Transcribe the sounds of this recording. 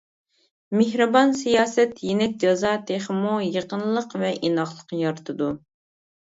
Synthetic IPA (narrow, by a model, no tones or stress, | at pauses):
mehɾɨbɑnsijɑːsɛt̪jenɛk̚ʲd͡ʒɑzɑt̪ʰeχmujəqənlˠəqvɛʔinɑχlˠəqjɑɾt̪ʰɨd̪u